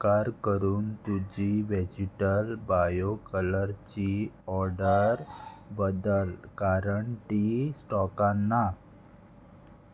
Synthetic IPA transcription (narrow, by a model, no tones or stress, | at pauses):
kaɾkəɾuːnt̪ud͡ʑiʋed͡ʑiʈəlbajokələɾt͡ɕiɔɾɖəɾbəd̪əlkaɾəɳt̪isʈɔkãnːa